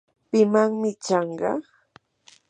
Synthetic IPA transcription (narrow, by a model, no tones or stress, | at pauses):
pɪmaŋmɪt͡ʃɑɴɢɑ̰